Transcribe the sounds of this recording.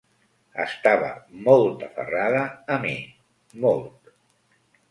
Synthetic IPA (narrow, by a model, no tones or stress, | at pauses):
ə̰st̪aβə̰mɔlˠt̪əfə̰raðəːmi | mɔlˠt̪